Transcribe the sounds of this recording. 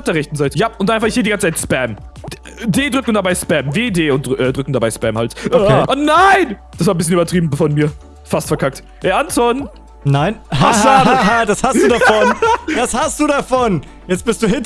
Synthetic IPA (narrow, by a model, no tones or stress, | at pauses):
p̚d̥eːɐʁɛçtn̩zaɪtəjaːʔʊntd̥anaɪfaχɪçheːdiɡant͡sət͡sʰaɪtspɛm | deːdʁʏkŋ̩d̥abaɪspɛmveːdeːʊn̚dʔɛːdʁʏkŋ̩dabaɪspɛmhaltɛʔʊnaɪnd̥as̬vaːɐbɪsçənyːbɐtʁ̥iːbm̩bfɔnmiːɐ | fastfɛɐkʰak̚t | ʔɛːɐʔantʰɔn | naɪnhasaadashastd̥uːdafɔnd̥ashastd̥uːdafɔn | jɛt͡sb̥ɪstd̥uːhɪn